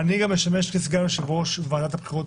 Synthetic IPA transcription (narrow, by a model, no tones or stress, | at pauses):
aniɡamjeʃame̞ʃkesɡanʃebʁoʃvaːd̪at̪hapχiʁut